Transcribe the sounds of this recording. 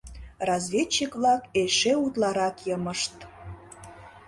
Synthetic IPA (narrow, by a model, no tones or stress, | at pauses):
rɑzβʲet͡ɕːikβlɑkeʃeut̪lɑɾɑkjəməʃt̪